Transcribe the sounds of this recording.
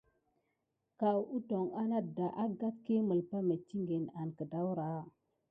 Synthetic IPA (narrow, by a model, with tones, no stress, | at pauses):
ka˨wu˦to˨ŋa˦na˦da˨ʔa˦ɡa˦tke˦mə˨lpa˦me˨tːi˦ŋɡe˨na˨nkə˨da˦wɾa˨˦˨